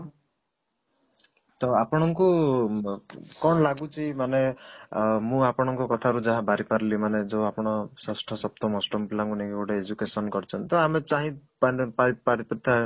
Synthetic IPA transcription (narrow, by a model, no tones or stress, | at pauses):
t̪ɔapɔɽ̃ɔŋku | kɔɳlaɡut͡ʃʰimane | mũapɔɽ̃ɔŋkɔkɔt̪ʰaɾud͡ʒaɦabaɾipaɾlimaned͡ʒoapɔɽ̃ɔsɔsʈʰɔsɔp̚t̪ɔmɔsʈɔmpilaŋkunikikoʈeed͡ʒukesɔnkɔɾt͡ʃʰɔnt̪t̪ɔamet͡ʃaɦĩppapaɾipɾit̪ʰa